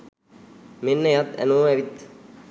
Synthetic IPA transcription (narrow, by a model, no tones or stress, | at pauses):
menːəjat̪æ̰noːɛʋit̪